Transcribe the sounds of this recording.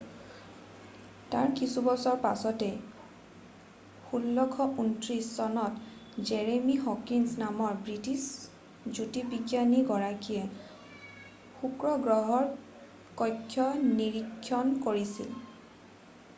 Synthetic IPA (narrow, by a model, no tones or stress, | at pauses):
taɹkisubɔsɔɹpasɔtɛ | xulːɔkʰɔʔuntɹisːɔnɔtd͡ʒɛɹemihɔkinsnamɔɹbɹitis | d͡ʒutipikjaniɡɔɹakijɛ | xukɹɔɡɹɔɦɔɹ | kɔjkʰːjɔniɹikʰːjɔnkoɹisḭl